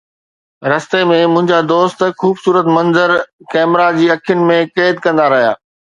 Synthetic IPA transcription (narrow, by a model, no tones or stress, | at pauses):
ɾɐst̪emẽmʊ̃ɦɪ̃ɲd͡ʑad̪oːst̪xuːbsuːɾət̪mɐ̃nzəɾkɛːmɾad͡ʑiːɐkʰijʊnɪ̆mẽkeːd̪kɐ̃nd̪aɾɐɦija̰ː